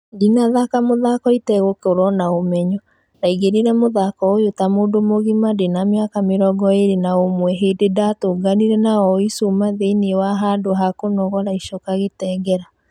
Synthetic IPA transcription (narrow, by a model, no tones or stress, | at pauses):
dinaðakamoðakɔitɛɣokeoɾɔnaomɛɲɔ | naiɣeɾiɾɛmoðakɔojotamoːndomoɣimadenameakameɾɔɡɔeɾenaomwɛɦeːdedatoɡaniɾɛnaɔisumaðeiniwaɦadoɦakonɔɣɔɾaiʃokaɣetɛːɡɛɾa